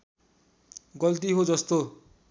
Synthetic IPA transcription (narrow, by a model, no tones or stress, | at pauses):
ɡʌlt̪iɦod͡zʌst̪o